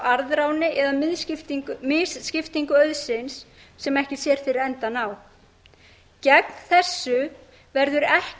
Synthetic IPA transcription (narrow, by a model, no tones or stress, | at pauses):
aɾðɾawnɪʔɛðamɪðsɪft̪mɪsscɪft̪iŋkʏœðsɪnsː | ɛmɛhcɪsjɛɾ̥θɪɾɾɛnt̪anaːw | cɛkn̥θɛsːʏ | vɛɾðʏɾɛh